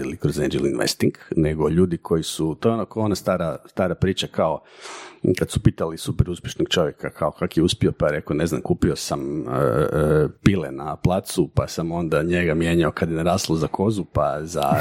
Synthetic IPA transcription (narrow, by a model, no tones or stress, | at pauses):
ilikɾozend͡ʒilinʋḛst̪iŋɡneɡo̞ʎuːd̪ikʰo̞jisut̪ojeonakoonast̪aːɾast̪aːɾapɾiːt͡ʃakʰao̞ | kad̪supiːt̪alisupɛɾuspʲje̞ʃnoɡt͡ʃo̞ʋjekakʰaokʰakjeuspiopaɾekone̞zna̰mkuːpio̞samə̰ | pilenaplˠaːt̪supasamo̞nd̪aɲe̞ɡamje̞ːɲaokad̪jeneɾaːslˠozakʰo̞zupaza̰